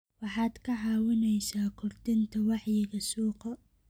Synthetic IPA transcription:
wɑħɑːd̪kʰɐɦɑːwɪnɛjsaːkʰʊrd̪ɪnt̪ʰɐwɑħjɪɣɐsuːqɐ

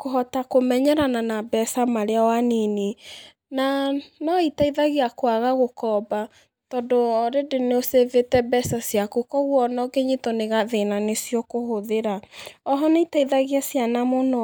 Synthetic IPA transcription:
koɦɔtakomɛɲɛɾananabɛsamaɾeawanine | nanɔitaiðaɣeakwaɣaɣokɔba | tɔdoɾedeneosevetɛbɛsasjakukɔɣwɔnɔɡeɲitɔneɣaðenanesjɔkohoðeɾaɔɦɔneitaiðaɣeasjanamono

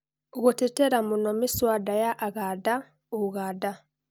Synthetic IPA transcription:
ɣutiteɾamunomiswadajaʔːɣada | uɣada

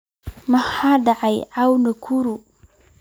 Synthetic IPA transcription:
mahad̪aʕajawnəkʰuɾu

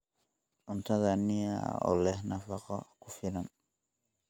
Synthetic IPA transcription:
ʔʊnt̪ʰɐðɐnːɪja̰ɔ̰ːlɛhnɐfɑqɔkʰʊfɪlɐn

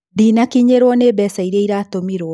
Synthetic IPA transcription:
ðinakiɲeɾwɔnebɛsaiɾeiɾaːtomiɾwɔ

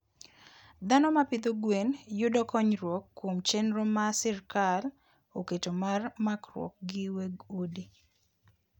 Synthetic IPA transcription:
d̪anɔmapɪd̪oɡwenjʊdɔkɔɲɾwɔkːomt͡ʃenɾomasɪrkal | oketomarmakrwɔ̰k̚ɡɪweɡodi

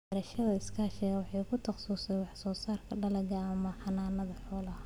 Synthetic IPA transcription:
ɐɾɐʃɐðɐɪskʰaːʃɪɣɐwɑħɑjkʰʊt̪ʰɐqsuːsɛjwɑħsɔːsaːrkʰɐɖɐlɐɡɐːmɐħɑnaːnɐðɐħɔːlɐ

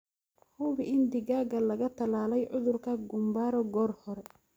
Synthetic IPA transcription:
hʊβɪɪnd̪ɪɣaːɡɐlɐɣɐt̪ʰɐlaːlɛjʕʊðʊrkʰɐɡʊmbaːɾɔɡɔːrhɔɾɛ

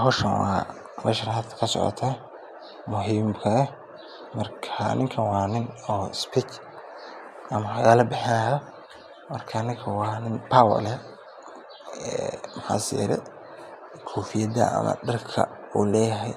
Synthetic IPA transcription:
ɦɔʃɐnwɑː | mʔɛːʃɐnhɐd̪kʰɐ̥kʰɐsɔ̰ʕɔ̰t̪ʰaː | mʊɦiːmkʰɐɛ | mɐrkʰanʔɪŋkʰɐnwɑːnɪnɔːspʰit͡ʃ | ʔɐmɐħajaːlɐbɪħɪnaːjɔ | mɐrkʰanɪŋkʰɐwɑːnɪnpʰaːwɐ̰lɛ | ɛːmɑħa̰ːsɛ̰ːɾɛ̰ | kʰɔːfɪjɐd̪ɐ̰ɐ̰mɐ̰ɖɐrkʰɐ̰ | uːlɛːjɐɦɛj

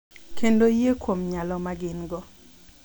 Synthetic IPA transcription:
kendojekwomɲalɔmaɡɪnɡɔ

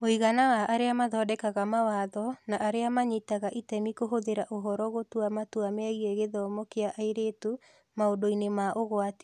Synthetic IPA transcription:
oiɣanawaʔaɾeamaðɔːdɛkaɣamawaðɔnaʔaɾeamaɲitaɣaʔitɛmikoɦoðeɾaʔoɦɔɾɔɣotwamatwameaɣiɛɣeðɔmɔkeaʔaeɾetu | maodoinemaʔoɣwate̥

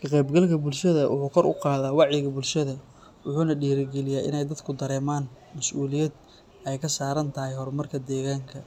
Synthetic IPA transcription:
kʰɐqɛjbɡɐlkʰɐbʊlʃɐðɐwʊ̰ħuːkʰɔɾʔʊ̰qɑːðaːwɑʕjɪɣɐbʊlʃɐðɐ | wʊħuːnɐɖiːɾɪɡɛlɪjaːɪ̰nɛjd̪ɐd̪kʰʊd̪ɐɾɛːmaːn | mɐsʔuːlɪjɛd̪̚ | ʔɛjkʰɐsaːɾɐnt̪ʰɐɦɛjɦɔrmɐrkʰɐd̪ɛːɣaːŋkʰɐ

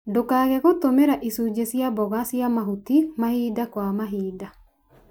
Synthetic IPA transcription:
dokaɣɛɣotomeɾaʔisud͡ʒesjabɔɣasjamaɦutimahiːdakwamaɦiːda

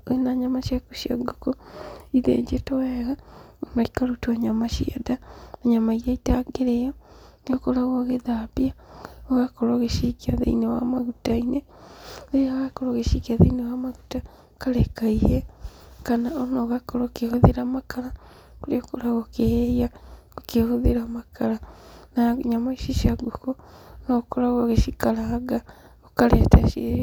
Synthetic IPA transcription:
oenaɲamaʃjakuʃjo̰ɡokoiðḛɲd͡ʒetoweɣaonaikaɾutuaɲamaʃiedaaɲamaijaitaɡeɾejoniokoɾaɣoɣeðapjaoɣakoɾoɣeʃikiaðḛinewamaɣutaine | ðeaɣakoɾoɣeʃikiaðeinewamaɣuta | okalekaihekanaonoɣakolokehoðiɾamakala | koliokolaɣokeheja | okehoðiɾamakʰalanaɲamaiʃiʃaɡuko | nokolaɣoɣeʃikalaːɡa | okaletaʃi

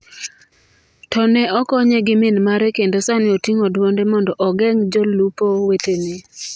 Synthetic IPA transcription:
tɔnɛɔkɔɲeɡɪmɪnmaɾɛkendosanɪotiŋodwondɛmɔndɔʔɔɡɛŋd͡ʒɔlupowetene

